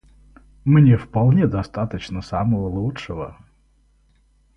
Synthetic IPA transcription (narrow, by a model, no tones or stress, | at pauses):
mnʲefpɐlˠnʲed̪ɐst̪at̪ət͡ɕnəsaməvəlˠutʂəvə̰